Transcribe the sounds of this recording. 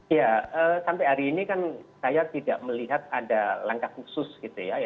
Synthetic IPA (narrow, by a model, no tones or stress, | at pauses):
jaəsampajɦaɾiːnikansajat̪idaʔməliɦat̪̚adalaŋkahkusʊsɡ̥it̪ujaja